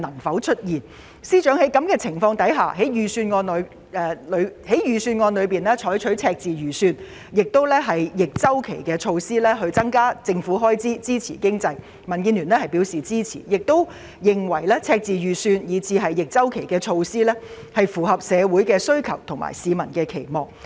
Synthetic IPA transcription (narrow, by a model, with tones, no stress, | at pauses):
nɐ˨˩ŋfɐ˨˥wt͡ʃʰɵ˥t̚jiː˨˩n | siː˥t͡ʃœː˨˥ŋhe˨˥jkɐ˨˥mkɛː˧t͡sʰɪ˨˩ŋfɔː˧ŋt̪ɐ˨˥jɦa̰ː˨˩ɦe˨˥jjyː˨syː˧nŋɔː˧nlɔ˨˧ɥ | ɛː˨˩lɵ˨˧ɥhe˨˥jjyː˨˩syː˧nŋɔː˧nlɵ˨˧ɥp̬iː˨nlɛː˥t͡ʃʰɔː˨˥jt͡ʃʰɵ˨˥ɥt͡sʰɛː˧k̚t͡siː˨ɥyː˨˩syː˧n | jɪ˨k̚t̪o˥wlɛː˥ɦɐ˨jjɪ˨k̚t͡sɐ˥wkʰe˨˩jkɛː˧t͡ʃʰo˧wsiː˥lɛː˥ɦɵ˧ɥt͡sɐ˥ŋkaː˥t͡sɪ˧ŋfuː˨˥ɦɔː˥jt͡siː˥t͡siː˥t͡sʰḭː˨˩kɪ˥ŋt͡sɐ˧j | mɐ˨˩nkiː˧nly˨˩nlɛː˥hɐ˨˩jpiː˨˥wsiː˨˩t͡siː˥t͡sʰḭː˨˩jɪ˨k̚t̪o˥w | jɪ˨ŋwɐ˨˩jlɛː˥t͡sʰɛː˧k̚t͡siː˨jyː˨syː˧njiː˨˩t͡sʰiː˧ɦɐ˨jːɪ˨k̚t͡sɐ˥wkʰe˨˩jkɛː˧t͡ʃʰo˧wsiː˥lɛ˥ | hɐ˨jfuː˨˩ɦɐ˨p̚sɛː˨˧wuː˨˥jkɛː˧sɵ˥ɥkʰɐ˨˩wt̪ʰʊ˨˩ŋma̰˨˩jsiː˨˧mɐ˨˩nkɛː˧kʰe˨˩jmɔː˨ŋ